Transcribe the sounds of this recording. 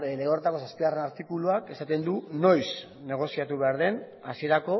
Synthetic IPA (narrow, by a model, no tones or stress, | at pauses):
leɣoɾet̪akoaspiɣare̞naɾt̪ikuluake̞sat̪e̞nd̪uno̞js | ne̞ɣ̞o̞siat̪uβe̞aɾðe̞n | asie̞ɾako̞